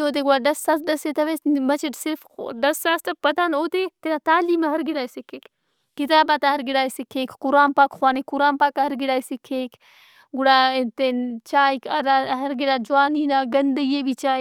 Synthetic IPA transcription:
oːt̪̬eɡuaɖɐsːaːsɖɐset̪ɐʋeːmɐt͡ʃʰiʈsɪɾfɖɐsːaːst̪ɐpɐd̪aːnoːt̪et̪enat̪aːliːmeɦɐɾɡiɽaːisikʰːeːk | kit̪aːbat̪aɦɐɾɡiɽaːjsikʰːeːkʰkʊɾaːmpaːkxwaːnikʊɾaːnpaːkaɦɐɾɡiɽaːisikʰeːkʰ | ɡuɽaːt̪ent͡ʃaːikɐɾaɦɐɾɡiɽaːd͡ʒuaːniːnaːɡɐnd̪əiebit͡ʃaːi

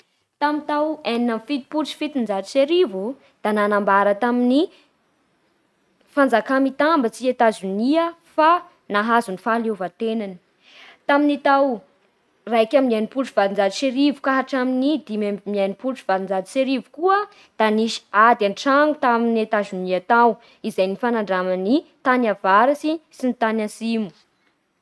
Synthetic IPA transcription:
t̪amint̪aweninanfit̪i̥put͡ʃi̥fit̪ind͡zad̪iseɾivu | d̪̥ananambaɾət̪amini | fand͡zakamit̪ambət͡siet̪azuniəfa | naɦazunifalevat̪enani̥ | t̪aminit̪aw | rajkaminajnipulʈ͡ʂuv̥ad̪ind͡zad̪iseɾivukaɦaʈ͡ʂaminid̪imabmianipulʈ͡ʂuv̥ad̪ind͡zad̪i̥seɾivukuə | d̪̥aniʃi̥ad̪anʈ͡ʂaŋut̪aminet̪azuniat̪aw | izajnifanaɳɖ͡ʐamanit̪anavaɾasisinit̪anasimu̥

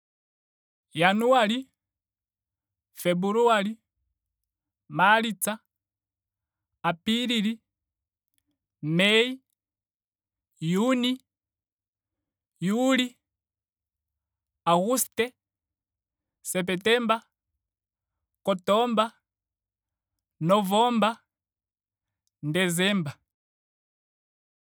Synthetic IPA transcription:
januali | fɛbuɾuali | malit͡sa | apiɾili | mɛi | juni | juli | aɣustɛ | sɛp̬ɛtɛmba | kɔtɔmba | nɔvɔmba | ndɛzɛmba

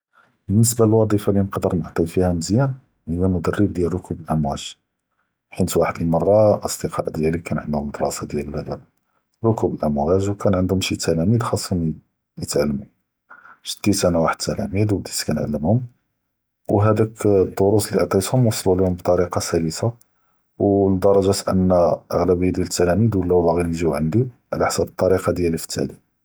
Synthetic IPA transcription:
bənːəs̬balwɑd̪ˤifɑlinəqd̪əɾnəʕt̪ˤijfihæməzjæn | həjæmʊd̪ərːəb̚d̪jælɾʊkʰubəlʔəmwæʒ | ħit̪waħəd̪əlmɑrˤːɑʔəsd̪əqɑ̰ʔd̪jælikænʕənd̪hʊməd̪ɾˤɑsɑd̪jæləlæd̪æb | ɾʊkubəlʔəmwæʒwkænʕənd̪hʊmʃit̪ʰːælæmid̪xɑsˤːɑm | jət̪ʕalːəmu | ʃə̥d̪̥isænawaħəd̪̚t̪ːælæmid̪wbd̪iskænʕa̰lːəmhʊm | wɦæd̪ækd̪ːoɾusliʔəʕt̪ˤit̪hʊmwɑsˤəlulihʊmbt̪ˤɑɾiqɑsæjəsa | wd̪ɑɾˤɑʒæt̪ʔə̰nːæʔə̰ɣlæbəjːd̪jælət̪ːælæmid̪wlːæbaɣilʒiʕənd̪iʕlæħsæbət̪ˤːɑɾiqɑd̪jælifə̥t̪ʰːæ̰ʕli

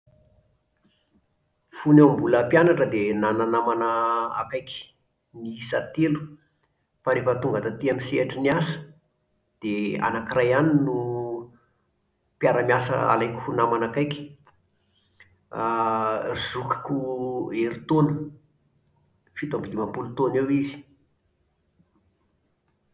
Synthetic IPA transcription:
funeambuləpjanaʈ͡ʂəd̪enananamanəa̰kajkʲi̥ | nisat̪elu̥ | faɾefət̪uŋɡət̪at̪iamiseʈ͡ʂiniasə̥ | d̪̥ea̰nakirajaninu | piaɾamiasə̰a̰lajku̥unamanakajkʲi̥ | izukḁkueɾit̪onə | fit̪ambid̪imapulut̪onewizi̥

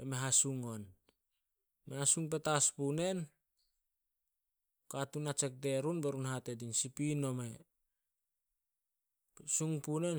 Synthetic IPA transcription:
emeɦasuŋon | measuŋpe̞taspune̞n | koatunat͡ʃe̞k̚de̞ɾunbeɾunhate̞dinsipino̞me | suŋpune̞n

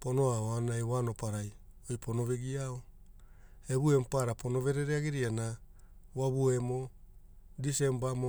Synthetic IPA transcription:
po̞no̞aoanajwano̞paɾaj | ojpʰono̞βeɡiao | eβue̞mpaɾapʰo̞no̞βe̞ɾeɾeaɡiɾiana | waβue̞mo | dise̞mbamo

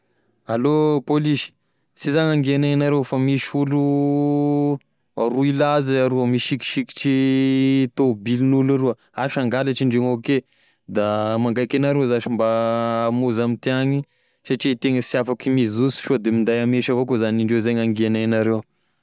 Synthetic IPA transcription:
alopoliʃi̥ | sizaɲaŋɡiananaɾewfamiʃulu | aɾuilaziaɾuəmiʃiki̥ʃiki̥ʈ͡ʂi | t̪obilinulaɾu | aʃaŋɡalaʈ͡ʂiɳɖ͡ʐeŋoke | d̪amaŋɡajkenaɾewzaʃimbamuzamit̪iaɲi | saʈ͡ʂit̪eŋəsiafakimizizusi̥ʃod̪emind̪ajameʃavokozaniɳɖ͡ʐewzaɲaŋɡianajnaɾew

